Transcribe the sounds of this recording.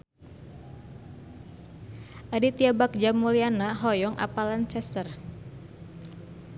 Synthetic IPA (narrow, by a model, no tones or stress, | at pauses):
ʔadit̪iabak̚d͡ʒamulianaɦɔjɔŋʔa̰palant͡ʃɛst̪ər